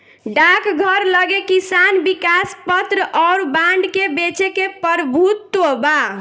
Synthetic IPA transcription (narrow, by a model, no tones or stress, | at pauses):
ɖakɡʱəɾləɡekisanbikaspət̪ɾəʔɔʊɾbaɳɖkebet͡ʃekepəɾbʱut̪ːoba